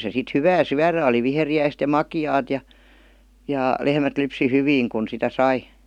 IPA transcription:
se sit hyʋæː syæræ oli ʋiheriæist jɑ mɑkiɑːt jɑ jɑˑ lehmæt lypsi hyʋiːŋ kun sitæ sɑi

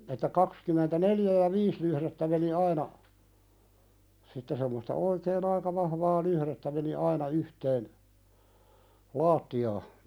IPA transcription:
etːæ kɑkskymˑentæneljæ jɑ ʋiːs lyhɾetːæ meni ɑinɑ sitːe semːostɑ oikeːn ɑikɑ ʋɑhʋɑː luhɾetːæ meni ɑinɑ yhteːn lɑːtːiɑː

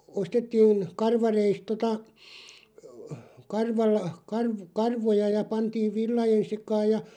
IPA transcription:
ostetːiːn kɑrʋɑreist totɑ kɑrʋɑl kɑrʋ kɑrʋojɑ jɑ pɑntiːʋ ʋilːɑjen̞ sekɑːj jɑ

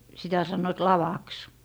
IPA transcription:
sitæ sɑnːoĭt lɑʋɑks

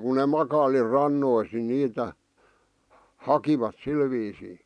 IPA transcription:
ku ne mɑkɑili rɑnːois ni niːtæ hɑkiʋɑt sil ʋiːsiː

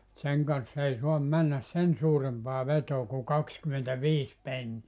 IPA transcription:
seŋ kɑnsːɑ ei soɑm mænːæs sen suːrempɑː ʋetoː ku kɑkskymentæʋiːs penːiæ

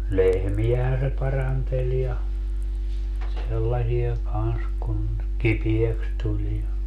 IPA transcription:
lehmijæhæn se pɑrɑntelʲ jɑ selːɑsij̆ɑ kɑns kun kipieks tulʲ jɑ

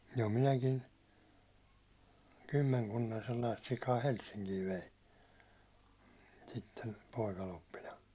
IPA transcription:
jo minækin̞ kymːeŋkunːɑn̞ selːɑist sikɑː helsːiŋkiː ʋein sitːen̞ poˑikɑlopːinɑ

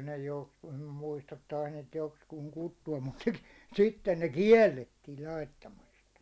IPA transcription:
ne jokskuː nym muistɑt tɑis niːt jokskuːŋ kutːuɑm mut sitːen ne kiɛlːetːiːl lɑitːɑmɑstɑ̥

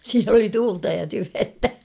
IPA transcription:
siːn oli tuːltɑ jɑ tyʋentæ

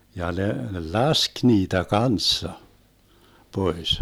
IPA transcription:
jɑ ne lɑsk niːtæ kɑnsːɑ pois

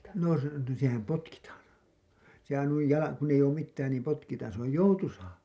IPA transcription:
no se sehæm potkitɑːn sehæn nuij jɑlɑ kun eij oːm mitːæːn niːm potkitɑːn se oj joutusɑː

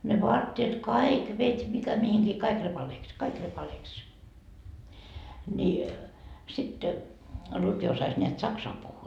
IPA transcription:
ne ʋoɑtːeːt kɑik ʋetʲ mikæ mihiŋkiː kɑik repɑleːks kɑik repɑleːks ni sit lutʋi osɑs nʲeæt sɑksɑm puhːuː

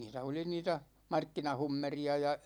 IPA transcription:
niːtæ oli niːtæ mɑrkːinɑhumːeriɑ jɑ

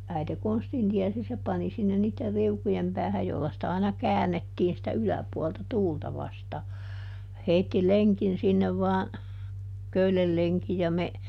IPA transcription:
æite konstin tiɛsi se pɑni sinːen niːtːer riukujem pæːhæj jolːɑ sĭtæ ɑinɑ kæːnːetːiːn sitæ ylæpuɔltɑ tuːltɑ ʋɑstɑː heitːi leŋkin sinːeʋ ʋɑːn køylel leŋki jɑ me

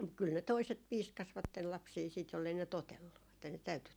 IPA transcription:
kyl ne toiset piːskɑsʋɑtːel lɑpsiː siːt jolːei ne totelːu etːæ ne tæyty

